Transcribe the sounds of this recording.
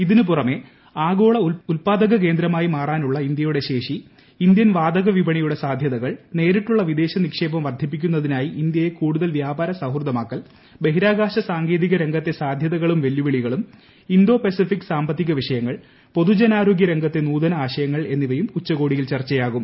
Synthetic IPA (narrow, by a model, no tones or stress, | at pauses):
iðinɨpurɐme̞ | aːɡo̞ːɭɐulpaːd̪ɐɣɐk̬e̞ːnd̪ɾɐmaːjimaːraːnuɭːɐind̪jɐjuɽe̞ɕe̞ːʂiː | nd̪jɐnʋaːd̪ɐɣɐʋibɐɳijuɽe̞saːd̪ʱjɐðɐɣɐɭne̞ːɾiʈːuɭːɐʋid̪e̞ːɕɐnikʂe̞ːbɐmʋɐrd̪ʱip̬ːikʲːunːɐðinaːjiʔind̪jɐje̞kuːɽuðɐlʋjaːbaːɾɐsaɦrd̪ɐmaːkːɐl | be̞ɦiɾaːɡaːɕɐsaːŋɡe̞ːðiɣɐɾe̞ŋɡʱɐt̪ːe̞saːd̪ʱjɐðɐɣɐɭumʋeljuʋiɭiɣɐɭum | ind̪o̞ːpesifikːsaːmbɐt̪ːiɣɐʋiʂɐjɐŋːɐɭ | po̞ðud͡ʑenaːɾo̞ːɡʲjɐɾe̞ŋɡʱɐt̪ːe̞nuːd̪ɐnɐaːɕɐjɐŋːɐɭe̞nːiʋɐjumut͡ɕːɐɣo̞ːɽijilt͡ɕɐrt͡ɕːɐjaːɣum